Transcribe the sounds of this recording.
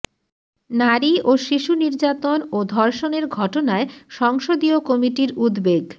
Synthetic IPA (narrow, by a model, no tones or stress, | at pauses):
naɾioʃiʃuniɾd͡ʑat̪onod̪ʱɔɾʃoneɾɡʱɔʈonaeʃɔŋʃod̪iokɔmiʈiɾud̪beɡ